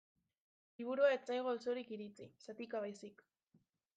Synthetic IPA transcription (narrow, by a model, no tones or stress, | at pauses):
liβ̞uɾuaet͡sajɣ̞olsoɾikiɾit͡sisat̪ikaβ̞ajsik